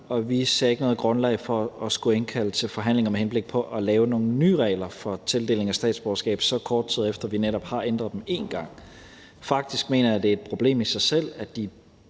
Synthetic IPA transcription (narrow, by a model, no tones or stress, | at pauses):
ɒ̽ʋiseɛ̰ːe̝ɡ̥nɔ̽ːðˠɡ̥ʁɔ̽nlɛ̰ɪfɒɒsɡ̥uenkʰæl̰ət͡sʰe̝lfɒ̽ɦæn̰le̝ŋɐmehenb̥le̝ɡ̥̚pʰɒ̽ʔɒlɛːʊno̝ːn̩ny̰ːʁɛɪlɐfɒ̽t͡sʰe̝ld̥e̝̰ːle̝ŋæsd̥ɛ̰ːd̥sb̥ɒɐsɡ̥ɛ̰ːb̥sɒ̽kʰɒːd̥̚t͡sʰiðˠefd̥ɐʋineɾ̥ɒ̽b̥hɑ̈end̥ʁɐðˠd̥eme̝̰nɡ̥ɑ̈ŋ̰ | fɑ̈ɡ̥̚d̥isɡ̥me̝̰ːnɐjæd̥e̝e̝d̥̚pʰʁo̝b̥le̝̰ːmisɑ̈ɪsel̰æd̥i